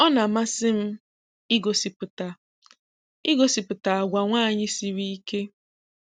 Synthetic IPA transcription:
ɔ˦na˨ma˦sɪ˦m̩˦ | ɪ˦ɡo˨si˨pʊ˨ta˨ | ɪ˦ɡo˨si˨pʊ˨ta˨a˨ɡʷa˨ŋʷaː˦˨ɲɪ˦si˨ɾi˦i˦ke˦

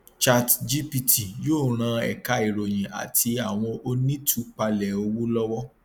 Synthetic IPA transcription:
t͡ʃa˧td͡ʒi˦pi˧tʰi˨joː˦˨ɾ̃ã˧ɛ̰˨ka˧i˨ɾo˨j̃ĩ˨a̰˨ti˧a˨w̃ɔ̃˧ʔo˧nĩ˦tʰu˦k͡pa˧lɛ˨o˧wo˦lɔ˦wɔ˦

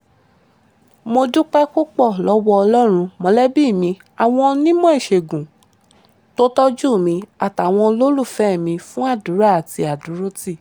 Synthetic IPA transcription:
mo˧du˦k͡pɛ˦ko˦k͡pɔ˦˨lɔ˨˧˦wɔ˧ɔ˧lɔ˦ɾ̃ũ˧mɔ̃˨˧˦lɛ˦bi˦˨mĩ˧˦ | a˨w̃ɔ̃˧nĩ˦mɔ̃˦e˦˨ʃe˨ɡũ˨ | to˦tɔ˦d͡ʒu˦˨mĩ˧a˨ta˨w̃ɔ̃˧lo˦lu˦˨fɛ˦˨mĩ˧fũ˦a˦˨dũ˨˦ɾa˦a˨ti˧a˨du˨˦ɾo˦ti˦˨

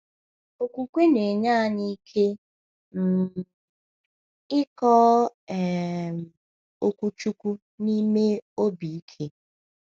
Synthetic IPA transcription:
o˨kʷu˨kʷe˦ne˨ɲa˦ni˦kʰe˦ | m̩˨ | ɪ˦kɔ˦ɛ˨ | o˨kʷu˨t͡ʃu˦kʷu˦ | ni˦me˦o˦bi˨i˦kʰe˦

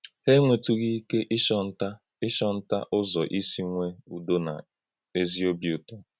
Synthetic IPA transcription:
he˦ŋʷe˨tu˦ɣi˦ke˦ʔɪ˦ʃɔ˦n̩˦ta˦ | ɪ˦ʃɔ˦n̩˦ta̰˦ʔʊ˦zɔ˨ʔi˦si˦ŋʷe˦u˦˨do˦na̰˨ | e˦zi˦o˦bi˨u˨tɔ˦

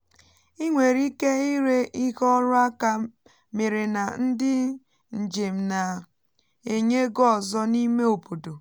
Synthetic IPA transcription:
i˦ŋʷe˨ɾi˦ke˦i˦ɾe˦ʔi˦kɔ˦ɾʊ˦a˦ka˦ | me˨ɾe˨na˨n̩˦dɪ˦ | n̩˨d͡ʒe˨m̩˨na˨ | e˨ɲe˦ɡɔ˦˨zɔ˦ni˦me˦o˨po˨do˨

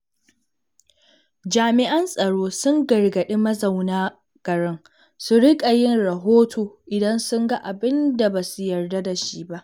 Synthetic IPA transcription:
d͡ʒaː˨mɪ˨ʔɐ˦nsʼɐ˨ɽoː˦sʊ˦ŋɡɐ˨rɡɐ˨ɗe˦mɐ˦zɐ˨wnaː˦ | ɡ̥ɐ˨ɽɪ˦ŋ | su˨ɾɪ˦kʼa˨jɪ˦nɾɐ˨ɦoː˦tʰoː˨ʔɪ˨dɐ˦nsʊ˦ŋɡa˦ʔa˨bɪ˦nda˨ba˨su˦jɐ˨rda˦da˨ʃi˦ba˦ʔ

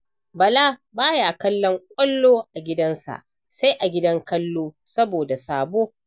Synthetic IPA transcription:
bɐ˨laː˦baː˦ja˨kɐ˦lːɔ˦ŋkʷʼɐ˦lːoː˦ʔa˨ɡʲɪ˦dɐ˦nsa̰˨ʔ | sa˦jʔa˨ɡʲɪ˦dɐ˦ŋkɐ˦lːoː˦sɐ˦boː˨da˨saː˨boː˦

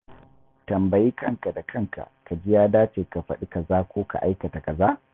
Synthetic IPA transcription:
tɐ˨mbɐ˨jiː˦kɐ˦˨ŋka˨da˨kʰɐ˦ŋka̰˨ka˨d͡ʒɪ˦jaː˦daː˦t͡ʃeː˨ka˨ɸɐ̰˨ɗi˦kɐ˨zaː˦kʷoː˦ka̰˨ʔa˦jkɐ˨ta˨kɐ˨zaː˦

